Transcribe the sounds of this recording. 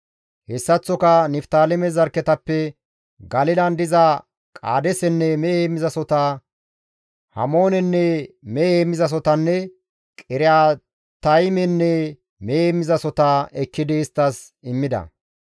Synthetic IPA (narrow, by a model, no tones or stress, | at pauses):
hɛsːɐt͡sːɔkɐnɪft̪aːlɛmɛzɐɾkɛt̪ɐpːɛ | ɡɐlɪlɐnd̪ɪzɐ | kʼa̰ːd̪ɛsɛnːɛmɛeːmːɪzɐsɔt̪a | hɐ̰mo̞ːnɛnːɛmɛeːmːɪzɐs̬ɔt̪ɐnːɛ | kʼɪɾɪjaː | t̪ɐjmɛnːɛ | meemːɪzɐsɔt̪aːɛkːɪd̪ɪːst̪ːɐs | ɪmːɪd̪ɐ̰